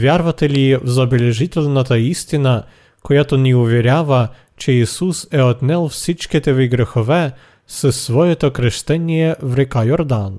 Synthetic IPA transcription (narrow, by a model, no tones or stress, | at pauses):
vʲjaɾvɐt̪ɛlivzɐbɛlɛʒit̪ɛlʲnat̪aist̪ina | kojat̪oniuvɛɾʲjavə | t͡ʃɛisusɛot̪nɛlˠfsit͡ʃkit̪ɛviɡɾɛxovɛ | sɛsːvɔjɛt̪okɾɛʃt̪ɛnijɛvɾɛkajoɾd̪an